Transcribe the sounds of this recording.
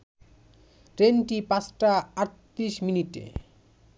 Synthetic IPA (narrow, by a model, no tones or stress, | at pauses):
ɾenʈipãt͡ɕʰʈaaɾt̪ɾiʃminiʈḛ